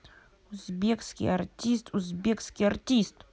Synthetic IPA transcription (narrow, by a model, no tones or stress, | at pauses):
ʊzbʲekskʲḭjɐrtʲist̪ʊzʲbʲekskʲijɐrtʲist̪